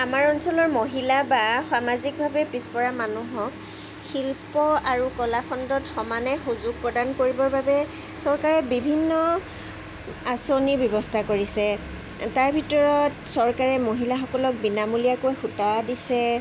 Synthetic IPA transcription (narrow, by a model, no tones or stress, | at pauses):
amaɹɔnsɔlɔɹmoɦilabaxwamazik̚bʱabɛpɹispɔɹamanuɦɔk | xilpɔaɹukɔlaxʰɔndɔtxɔmanɛxuzʊɡ̚pɹɔdankoɹibɔɹbabɛ | sɔɹkaɹɛbibʱinːɔ | asonibjɔbɔstʰakoɹisɛ | taɹbʱitɔɹɔtsɔɹkaɹɛmoɦilaxɔkɔlɔk̚binamulijakojxutawadisɛ